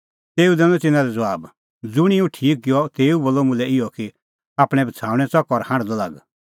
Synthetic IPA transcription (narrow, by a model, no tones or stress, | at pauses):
t̪eːud̪ɛ̃nɔ̃t̪ɪnãɾɛd͡zɐʋaːb | d͡zʊɽ̃iũʈʰiːk̚ɡɪjɔt̪eːuboːlːɔmʊ̃lɛɪjɔki | aːpɽ̃ɛ̃bɐt͡sʰaːũɽ̃ɛ̃t͡sɔkɔɾhãɽ̃d̪ɔlaɡ